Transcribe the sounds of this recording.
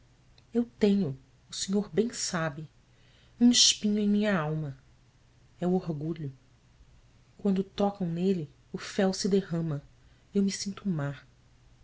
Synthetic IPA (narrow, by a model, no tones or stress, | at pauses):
ewt̪ẽɲʊ | ʊseɲoɾbẽj̃sabɪ | ũɪʃpĩɲʊẽj̃mĩɲɐawmɐ | ɛuoɾɡuʎʊ | kwɐ̃nd̪ʊt̪ɔkɐ̃w̃nelɪ | ʊfɛwsɪd̪ehɐ̃mɐ | ewmisĩnt̪umaɾ